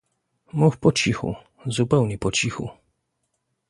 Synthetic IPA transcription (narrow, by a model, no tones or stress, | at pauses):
muxpɔt͡ɕixṵ | zupɛwɲɛpɔt͡ɕixṵ